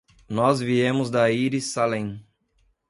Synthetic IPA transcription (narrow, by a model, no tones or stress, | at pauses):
nɔzviẽmʊzd̪ɐiɾisalẽ